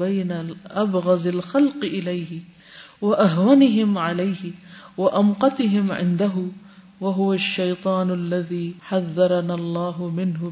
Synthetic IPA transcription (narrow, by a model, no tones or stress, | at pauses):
bajnaʔabɣɑzalxalqʔɪlajhɪ | waʔaɦwanɪɦɪmʕalajhɪwaʔamqɑt̪ɪɦɪmʕɪ̰nd̪aɦʊ | waɦʊwaʃːajt̪ˤɑːnalːaðiːħaðːɑɾˤɑnaːlˤːɑːɦʊmɪnhʊ